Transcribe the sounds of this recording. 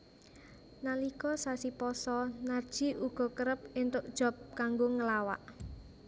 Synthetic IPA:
nalikɔsasipɔsɔnard̥ʒ̥i̤ʔuɡ̥ɔ̤kəɾəp̚ɪnt̪ʊʔ̚d̥ʒ̥ɔ̤p̚kaŋɡoŋəlawa̰ʔ

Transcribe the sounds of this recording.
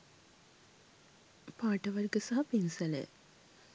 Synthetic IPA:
paːʈəʋɐrɡəsaɦɐpinsələ̰

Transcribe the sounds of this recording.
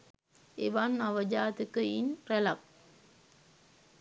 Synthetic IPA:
eʋanːaʋəd͡ʒaːt̪ikəinrɛlak̚

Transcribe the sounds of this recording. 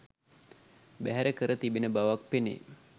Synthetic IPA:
bæɦæɾəkəɾət̪ibenəbaʋak̚penḛ

